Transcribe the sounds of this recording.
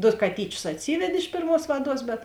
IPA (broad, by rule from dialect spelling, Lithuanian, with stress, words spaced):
ˈdoː kɐˈtʲiːt͡ʃʲʊs ɐtʲˈsʲiːʋʲɛtʲ ɪʃ ˈpʲeːrˌmuɔs ˈʋɑːˌduɔs bʲɛt